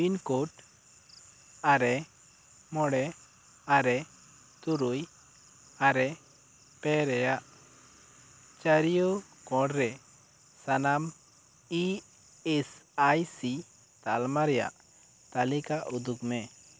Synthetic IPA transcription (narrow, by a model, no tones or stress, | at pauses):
binkɔʈ | aɾɛ | mɔɽɛ | aɾɛ | t̪uɾuj | aɾɛ | pɛɾɛjaʔ | t͡ʃaɾijokɔ̃ɽɾɛ | sanam | i | ɛsajsi | t̪a̰lmaɾɛja̰ʔ | t̪alikaʔud̪ukmɛ